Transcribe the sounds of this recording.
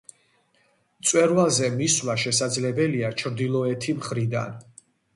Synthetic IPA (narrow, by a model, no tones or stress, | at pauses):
t̪sʼwɛɾwazɛmiswlaʃɛsad̪zlɛbɛliat͡ʃʰɾd̪ilˠɔɛt̪ʰimχɾid̪a̰n